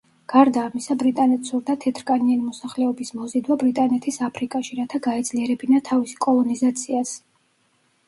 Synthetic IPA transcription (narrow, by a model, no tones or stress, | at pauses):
ɡ̥aɾd̪aːmisabɾit̪ʼanɛt̪suɾd̪at̪ʰɛt̪ʰɾkʼanianimɔsaχlɛɔbismɔzid̪wabɾit̪ʼanɛt̪ʰisapʰɾikʼaʃiɾat̪ʰaɡaɛd̪zliɛɾɛbinat̪ʰavisi̥kʼɔlˠɔnizat̪sʰias